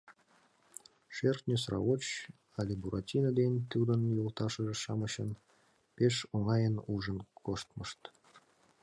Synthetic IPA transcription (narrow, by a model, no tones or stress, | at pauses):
ʃert̪nʲes̬rɑ̰ot͡ɕ | ɑlʲebuɾɑtʲinəd̪enʲt̪ud̪ənjolˠt̪ɑʃə̆ʒĕʃɑmɤ̆ɕən | peʃoŋɑjənuʒənkoʃt̪məʃt̪